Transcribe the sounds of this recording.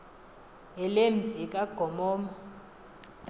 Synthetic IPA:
ɛlem̩zʱikʼaɡ̥ʱɔmɔːmɔ

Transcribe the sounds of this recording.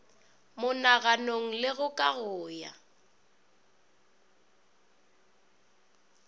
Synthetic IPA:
mʊnaɣanoŋ̩lɪɣʊkʼaɣʊːja̰

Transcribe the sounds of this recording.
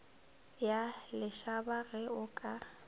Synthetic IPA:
jalɪʃabaɣɛʊkʼa

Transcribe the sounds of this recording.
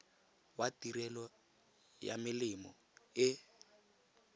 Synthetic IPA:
watiɾɛlɔ | ja̰mɪlɪmɔ | ɪ

